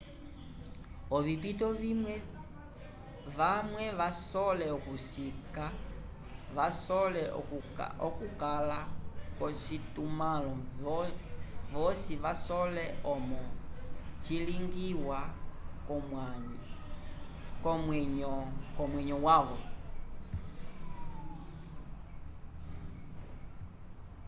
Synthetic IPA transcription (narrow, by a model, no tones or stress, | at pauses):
ɔvipitɔvimwɛ | ʋamwɛʋasɔlɛɔkusika | ʋasɔlɛ | ɔkukalakɔt͡ʃitumalɔ | ʋɔsiʋasɔlɛɔmɔ | t͡ʃiliŋɡiwa | kɔmwɛɲɔkɔmwɛɲɔwaʋɔ